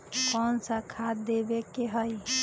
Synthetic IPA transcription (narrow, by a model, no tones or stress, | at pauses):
kɔnsəkʰad̪ebekeɦəj